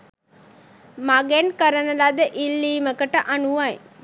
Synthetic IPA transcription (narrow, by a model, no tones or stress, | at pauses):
maɡɛnkəɾənəlad̪əʔilːiːməkəʈəʔanuʋaj